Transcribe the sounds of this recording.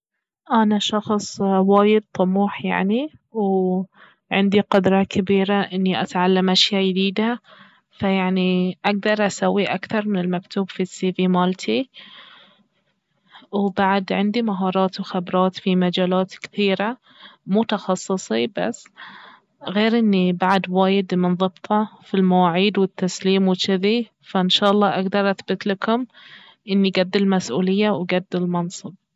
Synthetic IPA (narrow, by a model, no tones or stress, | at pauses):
ʔanaʃɑxsˤwaːjɪd̪̚t̪ˤʊmuːħja̰ʕniw | ʕɪnd̪iqʊd̪ɾˤɑkɪbiːɾaʔɪnːiʔat̪ʕalːamʔaʃjaːjɪd̪iːd̪a | fajaʕniʔaɡ̚d̪ɑɾˤʔasawːiʔakθɑɾˤmɪnɪlmakt̪uːbfisiːvimalt̪ʰi | wbaʕad̪ʕɪnd̪imaɦɑːɾˤɑːt̪wxabɾˤɑːt̪fimad͡ʒaːlaːt̪kθiːɾa | mʊt̪ɑxɑsˤːɨsˤiba̰sː | ɣeːɾʔɪnːibaʕad̪waːjɪd̪mɪnðˤɨbt̪ˤʰɑfilmawaːʕiːd̪wɪt̪ːasliːmwɪt͡ʃɪði | faʔɪnʃɑːʔɑlˤːɑːʔaɡd̪ɑɾˤʔaθbɪt̪lakʊm | ʔɪnːiɡad̪ːɪlmasʔṵːlɪjːawɡad̪ːɪlmɑnsˤɨb̚